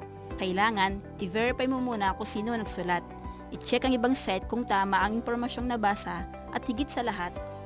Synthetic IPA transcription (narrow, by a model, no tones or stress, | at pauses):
kɐʔɪlaːŋɐnʔɪvɛɾɪpajmomuːnɐkʊŋsiːnonɐɡsʊlat̪̚ʔɪt͡ʃɛkɐŋɪbaŋsɛt̪̚kʊŋt̪aːmɐʔɐŋɪnpoɾmɐʃo̞ŋnɐbaːsɐ | ʔɐt̪̚hɪɡɪt̪̚sɐlɐɦat̪̚